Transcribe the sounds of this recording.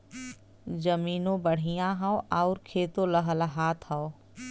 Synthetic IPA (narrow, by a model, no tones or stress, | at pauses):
zɐmiːnõbəɽ̤ijãɦãwʔaʊɾkʰeːt̪oləɦəlɦaːt̪ʰhao